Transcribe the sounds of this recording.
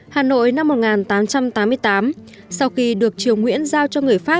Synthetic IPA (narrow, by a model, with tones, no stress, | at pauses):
haː˨˩no̰˧˨jna˧mːo˨˩ŋaː˨˩nt̪aː˨˦mt͡ɕa˧mt̪aː˨˦mːɨ˧əjt̪aː˨˦m | sa˧wxi˧ɗɨ˨˩ək̚t͡ɕi˨˩əwŋwḭ˧˥ənzaː˧wt͡ɕɔ˧ŋɨ˨˩əjfaː˦˥